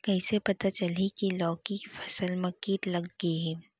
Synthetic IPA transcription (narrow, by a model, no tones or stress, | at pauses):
kɐisepɐt̪at͡ʃɐlikilɔːkifʰɐ̥səlmɐkiːʈlɐɡːeɦɛ̃ː